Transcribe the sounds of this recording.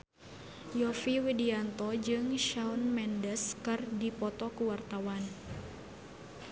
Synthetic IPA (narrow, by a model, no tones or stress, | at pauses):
jɔfiwidiant̪ɔd͡ʒɨŋʃaunmɛndəskɨrdipɔt̪ɔkuwart̪awan